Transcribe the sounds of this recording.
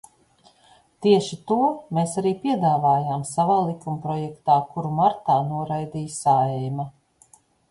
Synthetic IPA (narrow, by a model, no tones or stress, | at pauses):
t̪iɛʃit̪uɔmeːsaɾiːpiɛd̪aːvaːjaːmsavaːlˠikumpɾɔjɛkt̪aːkuɾumaɾt̪aːnuɔɾajd̪iːjsaɛjma